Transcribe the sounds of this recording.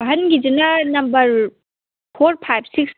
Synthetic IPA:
ɦɐnɡid͡ʒinɐnɐmbɐɾ | pʰoɾpʰajb̚ʰsiks

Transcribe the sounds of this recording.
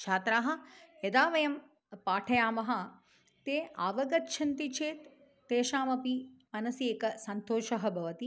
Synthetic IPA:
t͡ʃʰaːt̪ɾaːɦɐ̆jɐd̪aːʋɐjɐm | paːʈʰɐjaːmɐɦɐ̆ | t̪eːaːʋɐɡɐt̪ːʃʰɐnt̪it͡ʃʰeːt̪ː | eːʃaːmɐpimɐnɐsieːkɐsɐnt̪oːʃɐɦɐbʱɐʋɐt̪i

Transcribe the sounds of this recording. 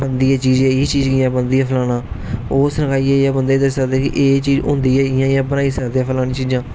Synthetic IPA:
bənd̪iːɛːt͡ʃiːzɛːiːt͡ʃiːzɡɪjãːbənd̪iːɛːpʰəlaːnaːoːsnəkaːiːɛːjaːbənd̪eːd̪əsəkd̪eːkɪ̰ʔeːt͡ʃiːzʊ̰̃ːnd̪iːɛːɪjãːjãːbənaːiːsəkd̪eːɛːpʰəlaːɽ̃ĩːt͡ʃiːd͡ʒãː

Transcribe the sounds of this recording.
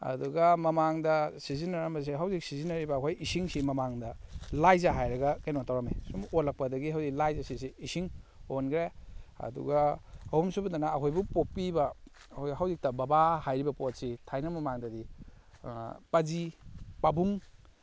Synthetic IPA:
ɐ̰duɡɐmɐmaŋdɐsizinaɾamɐs̬eɦawzik̚sizinaɾibɐːkʰojisiŋsimɐmaŋdɐlajzaɦajɾɐɡɐkajnotʰawɾamesumolak̚pɐdɐɡiɦawziklajzasisiisiŋonkʰɾeɐ̰dṵɡaːhumsubɐdanaːkʰojbupopːibɐ | kʰojɦawzik̚tɐbɐbahajɾibɐpot̚sitʰajnɐmɐmaŋdɐdḭ | pɐzipabuŋ

